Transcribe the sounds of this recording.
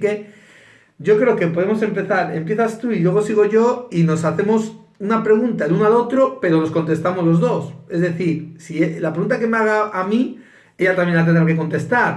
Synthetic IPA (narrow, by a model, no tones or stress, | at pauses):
ke | ɟ͡ʝo̞kɾe̞oke̞po̞ð̞e̞mo̞se̞mpe̞θaɾe̞̰mpje̞θast̪uilwe̞ɣ̞o̞siɣo̞ʝo̞ino̞saθe̞mo̞s | unapɾe̞ɣ̞unt̪aelunoalo̞t̪ɾo̞pe̞ɾo̞no̞sko̞nt̪e̞st̪amo̞zlo̞zðo̞se̞zðe̞θiɾsielapɾeɣunt̪ake̞meaɣ̞aʔami | e̞ʎat̪amje̞nat̪̬enɾakeko̞nt̪e̞st̪aɾ